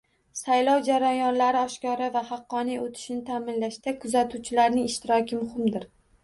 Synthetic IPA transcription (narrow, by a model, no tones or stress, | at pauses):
sajlɒwd͡ʒaɾajɒnlaɾɪɒʃkɒɾavahɑqːɒnijot̪ʰɪ̥ʃɪnɪt̪ʰaːmɪnlaʃd̪akʰʊzat̪ʰuwt͡ʃʰɪlaɾnɪŋɪʃt̪ɪɾɒkʲɪmʊhɪmd̪ɪɾ